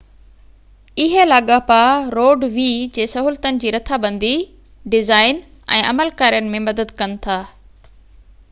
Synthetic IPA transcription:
ɪɦelaːɠapaɾoːɖʋiːd͡ʑeːsɐɦuːlt̪ənɪ̆d͡ʑiːɾɐt̪ʰabɐ̃nd̪i | ɖɪzaːɪn | ɛ̰̃ːʔɐməlkaːɾijənɪ̆mẽmɐd̪əd̪kɐnɪ̆t̪ʰaː

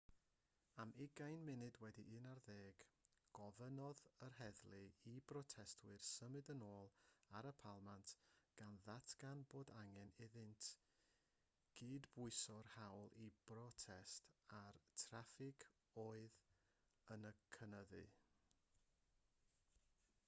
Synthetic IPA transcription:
amɪɡajnmɪnɨdwɛdiʔɨnarðeːɡ̥ɡ̥ɔvənɔðərɦɛðlˠɨibrɔtʰɛstʰwɨrsəmɨdənoːlˠaɾəpʰalˠmantɡ̥anðatʰɡ̥anboːdaŋɛnɪðɨntʰ | ɡ̥iːdbʊɨsɔrhawlˠib̥rɔtʰɛstartʰrafɪkʰ | oːɨð | ənəkʰənəðɨ̰

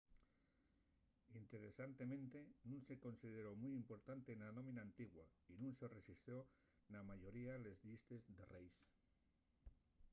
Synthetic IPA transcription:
int̪e̞ɾe̞sant̪e̞mẽnt̪e̞nũnse̞ko̞nsið̞e̞ɾo̞mujimpo̞ɾt̪ant̪enanõ̞mĩnaːnt̪iɣwainũnse̞re̞sist̪jo̞ | namaʝo̞ɾiale̞zðist̪e̞zðe̞rejs

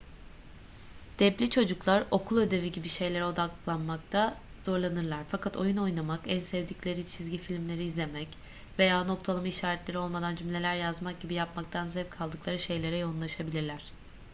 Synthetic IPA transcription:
d̪̥ɛplʲit͡ʃʰo̞d͡ʒuklˠaɾo̞kʰulˠø̞d̪e̞viɟibiʃe̞jlʲe̞ɾɛo̞d̪aklˠanmakt̪ʰa | z̥o̞ɾlˠanɯɾlˠaɾfakʰat̪ʰo̞juno̞jnamakænsɛvd̪iclʲe̞ɾit͡ʃʰizɟifilʲmlʲe̞ɾiːzlʲe̞mɛc | ve̞jaːno̞k̚t̪ʰalˠɯmaiʃaːɾɛt̪lʲeio̞lˠmad̪and͡ʒymlʲe̞lʲæɾjazmak̚ɟibijapmak̚t̪ʰanzɛvkʰalˠd̪ɯklˠaɾɯʃe̞jlʲe̞ɾɛjo̞unlˠaʃabilʲiɾlʲæɾ̥

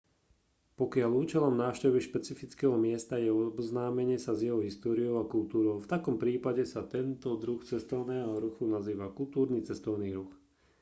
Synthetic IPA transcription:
pɔkɪaʎuːt͡ʃɛlɔmnaːʊʃcɛʋiʃpɛt͡sifit͡skɛːɦɔmɪɛst̪ajɛɔbznaːmɛɲɪɛsazjɛɦɔɦist̪ɔːɾiɔʊakult̪uːɾɔʊft̪akɔmpɾiːpaɟɛsat̪ɛnt̪ɔd̪ɾuxt͡sɛst̪ɔʊnɛːɦɔɾuxunaziːʋakult̪uːɾniːt͡sɛst̪ɔʊniːɾux

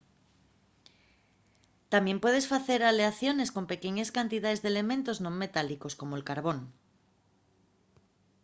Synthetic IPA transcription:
t̪amje̞mpwe̞ð̞e̞sfaθe̞ɾaleaθjo̞ne̞sko̞mpe̞keɲeskant̪iðaðe̞zðele̞mẽnt̪o̞znõŋme̞t̪aliko̞sko̞moelkaɾβ̞õ̞n

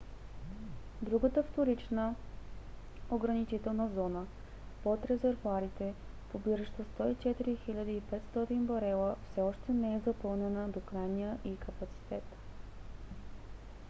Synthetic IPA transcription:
d̪ɾuɡət̪əft̪oɾit͡ʃnə | oɡɾɐnit͡ʃit̪ɛlˠnəzɔnə | pot̪ɾɛzɛɾvuaɾit̪ɛpobiɾəʃt̪ost̪ɔit͡ʃɛt̪iɾixiʎʲəd̪əipɛt̪st̪ɔt̪inbɐɾɛlˠəfsɛɔʃt̪ɛnɛɛzɐpɤlˠnɛnəd̪okɾajnijəʔikʰəpɐt̪si̥t̪ɛt̪

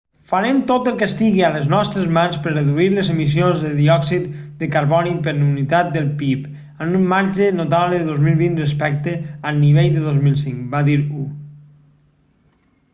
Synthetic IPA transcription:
faɾemt̪ot̪əlˠkəst̪iɣiələznɔst̪ɾəzmanspəɾrəðuiləzemis̬ionzðəðiɔksit̪d̪əkaɾβɔnipəɾnunit̪at̪̚d̪əlˠpip | ənumːaɾʒənot̪aβləðəðozmilˠβinrəspɛk̚t̪əənːiβ̞ejðəðozmilˠsiŋkbaðiɾu

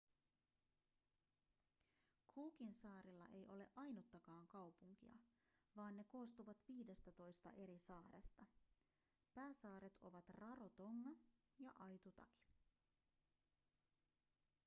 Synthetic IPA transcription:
kʰuːkinsɑːɾilːɑ̰ʔe̞jʔo̞le̞ʔɑjnut̪ːɑkɑːŋkɑwpuŋk̟ḭɑ̰ | ʋɑːnːe̞ko̞ːst̪uʋɑt̪ʋiːde̞st̪æt̪o̞jst̪ɑ̰ʔe̞ɾisɑːɾest̪ɑ | pæːsɑːɾe̞t̪o̞̰ʋɑt̪rɑrot̪o̞ŋːɑjɑ̰ʔɑjt̪ut̪ɑ̰ki̥

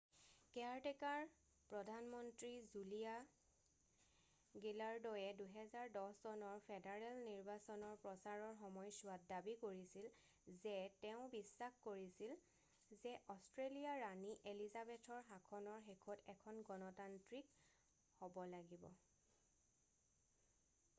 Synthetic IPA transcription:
kɛaɹtɛkaɹ | pɹɔdʱanmɔntɹizulia | ɡilaɹdɔjɛduɦɛzaɹdɔssɔnɔɹpʰɛdaɹɛlniɹbasɔnɔɹpɹɔsaɹɔɹxɔmɔjsuat̚dabikoɹisil | zɛtɛʊ̃bisːaxkoɹisil | zɛʔɔstɹelijaɹaniʔelizabɛtʰɔɹɦakʰɔnɔɹxekʰɔtɛkʰɔnɡɔnɔtantɹik | hobɔlaɡibɔ̰

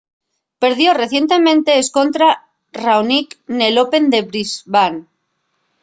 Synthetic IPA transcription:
pe̞ɾðjo̞re̞θje̞nt̪e̞mẽ̞nt̪e̞ːsko̞nt̪ɾa | rawnikne̞lope̞nd̪e̞βɾizβan

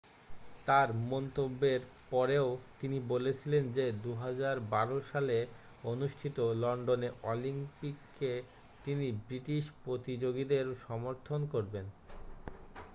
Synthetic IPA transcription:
t̪aɾmɔnt̪obːeɾpɔɾeot̪inibolet͡ɕʰilend͡ʑed̪uɦad͡ʑaɾbaɾoʃale | onuʃʈʰit̪olɔɳɖoneɾolimpikː | e | t̪inibɾiʈiʃpɾot̪id͡ʑoɡid̪eɾʃɔmoɾt̪ʰonkoɾben

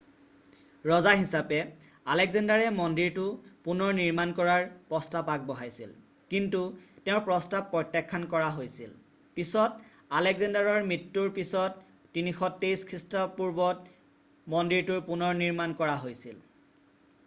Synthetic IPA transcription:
ɹɔzaɦisapɛ | alɛɡzandaɹɛmɔndiɹtʊpunɔɹniɹmankɔɹaɹpɹɔstapak̚bɔɦajsḭl | kintutɛ̃ʊɹpɹɔstapːɹɔjtːakʰːankɔɹaɦojsḭl | pisɔt | alɛɡzɛndaɹɔɹmɹitːuɹpisɔtː | inixɔtːejskʰɹistɔpuɹbɔt̚ | mɔndiɹtuɹpunɔɹniɹmankɔɹaɦojsil

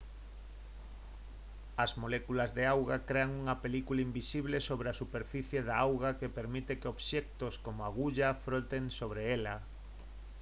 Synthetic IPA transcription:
ɐzmolekulazðeawɣakɾeaŋuŋɐpelikulaimbisiβ̞lesoβɾeasupeɾfiθjeðaawɣakepeɾmit̪ekeoβʃɛk̚t̪oskomoaɣuʎafɾot̪eŋsoβɾeela

